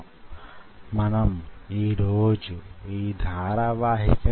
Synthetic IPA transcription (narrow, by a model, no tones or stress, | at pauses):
mɐnɐmiːɾoːd͡ʒuiːd̪ʱaːɾaʋaːɦḭkɐ